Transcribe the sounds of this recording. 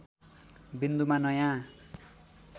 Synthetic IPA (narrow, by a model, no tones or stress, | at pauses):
bind̪umanʌjã